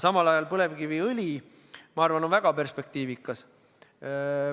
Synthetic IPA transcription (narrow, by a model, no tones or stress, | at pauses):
sɑmɑlɑjɑlpɤle̞vkiviɤlʲi | mɑɑrvɑno̞nvæɡ̥ɑpe̞rspe̞k̚t̪iːvikːˑɑs